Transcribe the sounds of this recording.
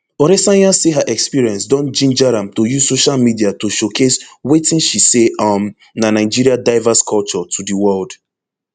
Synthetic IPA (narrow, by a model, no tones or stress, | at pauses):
ɔɾɛsãjãseɦaʔɛkspiɹiɛ̃nsdɔ̃nd͡ʒĩnd͡ʒaɾãmtojuzsoʃalmidiatoʃokʰeswetĩnʃiseãm | nanaɪd͡ʒiɹiadaɪvaskʰɔlt͡ʃɔtʰudiwɜld̥